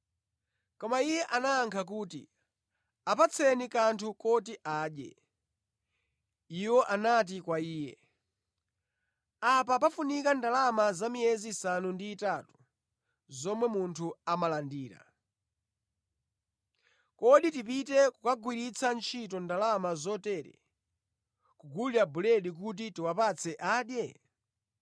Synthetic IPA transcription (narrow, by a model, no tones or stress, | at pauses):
kɔmaijɛʔanaːŋkʰak̬uːtḭ | apat͡sʰɛnikantʰukɔtiʔaːɗjɛ̰ | iwɔʔanat̬ikwaiːjɛ̰ | apapafunikandalamazamiɛzisanundiːtatu̥ | zɔmwɛmuntʰuamalandiːɾa̰ | kɔɗitipitɛkukaɡwiɾit͡sʰant͡ʃʰit̬ɔndalamazɔtɛɾɛ̰ | kuɡuliabulɛɗik̬ut̬itiwapat͡sʰɛʔaːɗjɛ